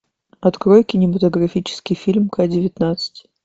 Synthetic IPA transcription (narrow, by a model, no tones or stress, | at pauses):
ɐt̪kɾojkʲɪnʲɪmət̪əɡɾɐfʲit͡ɕɪ̥skʲɪjfʲilʲmkadʲɪvʲɪt̪nat̪sɨ̥tʲ